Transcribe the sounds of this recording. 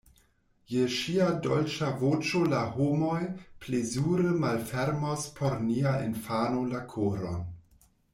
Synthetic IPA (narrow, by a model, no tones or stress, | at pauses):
jeʃiadolt͡ʃavot͡ʃolahomojplezuɾəmalfeɾmospʰoɾniaḛnfanolakʰoɾon